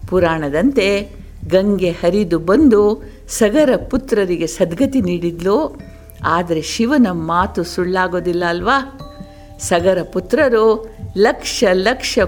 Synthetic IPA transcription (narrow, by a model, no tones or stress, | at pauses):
puɾaːɳɐd̪ɐnt̪e̞ | ɡɐŋɡe̞hɐɾid̪ubɐnd̪u | sɐɡɐɾɐput̪ɾɐɾiɡe̞sɐd̪ɡʱɐt̪iniːɽid̪lu | aːd̪ɐɾe̞ʃiʋɐnɐmaːt̪usuɭːaːɡoːd̪ilːɐːlʋaː | sɐɡɐɾɐput̪ɾɐɾulɐkʂɐlɐkʂɐ